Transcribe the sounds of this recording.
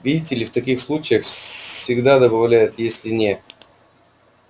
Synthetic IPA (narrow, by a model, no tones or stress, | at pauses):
vʲidʲɪtʲɪlʲɪft̪ɐkʲixslˠut͡ɕɪjəxfsʲɪɡd̪ad̪əbɐvlʲæjʊt̪jesʲlʲɪnʲet̪